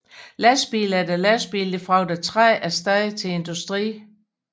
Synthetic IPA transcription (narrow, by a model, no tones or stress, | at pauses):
læsb̥ḭːlæɐd̥ælæsb̥ḭːld̥e̝fʁɑ̈ʊd̥æt͡sʰʁɛæɐsd̥ɛðˠit͡sʰe̝e̝nd̥usd̥ʁḭː